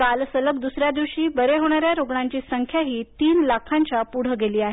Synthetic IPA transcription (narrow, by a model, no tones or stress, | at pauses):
kalsələkd̪usɾjad̪iʋɕiːbəɾeɦoɽ̃aɾjaɾoɡɳaɲt͡ɕiːsəŋkʰjaɦiːt̪iːnlakʰãɲt͡ɕapuɽ̤əɡeliːaɦe